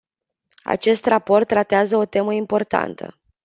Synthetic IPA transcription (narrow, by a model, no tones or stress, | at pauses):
a̰t͡ʃe̞st̪rapo̞rt̪ːɾat̪eazəo̞t̪e̞məimpo̞rt̪a̰nt̪ʰə̰